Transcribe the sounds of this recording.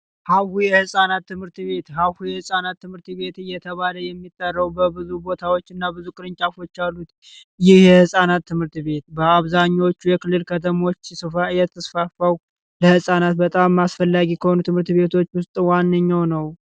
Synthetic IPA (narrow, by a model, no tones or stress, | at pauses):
hawhujɛhɨsʼanat̪ːɨmhɨɾt̪βe̞t̪hawhujɛhɨsʼanat̪ːɨmhɨɾt̪βe̞t̪ɨjɛt̪ʰəβaləjɛmːit̪ʼːərːəwbəbɨzubo̞t̪ʰawo̞t͡ʃːɨnːabɨzukʼɨɾɨɲt͡ʃʼafo̞t͡ʃːjalːut̪ | jɪhhjɛhɨsʼanat̪ːɨmhɨɾt̪βe̞t̪bəaβzaɲːawot͡ʃːujɛkʰɨlːɨlkʰət̪ʰəmo̞t͡ʃːsɨfajɛt̪ʰəsfafaw | ləhɨsʼanat̪̚bət̪ʼamːasfəlːaɡikʰəho̞nut̪ʰɨmhɨɾt̪βe̞t̪ʰo̞t͡ʃːwʊst̪ʼwanːəɲːawnəw